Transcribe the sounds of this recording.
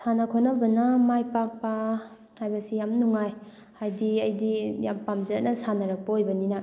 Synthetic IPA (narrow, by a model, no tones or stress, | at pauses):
sʰanakʰonabɐnamajpak̚pa | hajbɐsijamnuŋaj | hajdiɐjdijampamzɐnɐsanɐɾɐk̚pɐojbɐnina